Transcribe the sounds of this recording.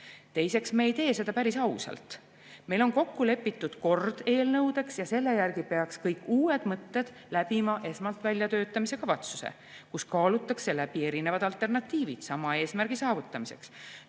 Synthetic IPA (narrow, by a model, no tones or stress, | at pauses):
t̪e̞jse̞ksmeːjt̪e̞ːse̞d̪̥ɑpæɾisɑwsɑ̰lt̪ | mejlo̞nko̞kːule̞pːit̪ːˑud̪̥ko̞rd̪̥e̞ːlnɤwd̪e̞ksjɑse̞lːe̞jærɡ̥ipe̞ɑkskɤjkːˑuːe̞d̪̥mɤt̪ːe̞d̪̥ | læb̥imɑʔe̞smɑlt̪vælʲjɑt̪ø̞ːt̪ːˑɑmise̞kɑvɑt̪su̥sḛ | kuskɑːlut̪ːˑɑkse̞læb̥ie̞ɾine̞vɑd̪̥ɑlt̪ːˑernɑt̪ːˑiːvid̪̥sɑmɑe̞ːsmæɾɡ̥isɑːvut̪ːˑɑmise̞̰ks